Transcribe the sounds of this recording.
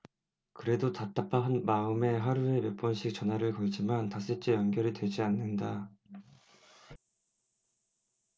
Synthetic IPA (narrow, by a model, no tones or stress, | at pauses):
kɯɾe̞dotat͈ap͈ʰaɦanmaɯme̞ɦaɾue̞mjʌp͈ʌnɕʰik̚t͡ɕ͈ʌnɦaɾɯɭkʌɭd͡ʑimantas͈ɯt͡ɕ͈ejʌnɡjʌɾitwe̞d͡ʑianːɯnda